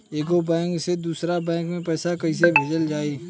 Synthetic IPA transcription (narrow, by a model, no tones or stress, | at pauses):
eːkobɛ̃ːŋksed̪uːsɾabɛ̃ːŋkmẽpɛːsakɐɦis̬ebʱeːd͡ʒəld͡ʒaːiː